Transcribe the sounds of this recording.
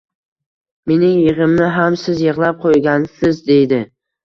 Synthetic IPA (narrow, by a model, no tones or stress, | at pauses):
me̞nɪŋjɨʁɨmnɪɦamsɪzjɨʁlˠap̚qʰojɡʲansɪzd̪e̞jd̪ɪ